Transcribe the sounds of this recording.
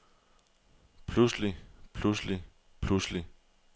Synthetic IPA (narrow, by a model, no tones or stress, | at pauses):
pʰluslipʰlusli | pʰlusli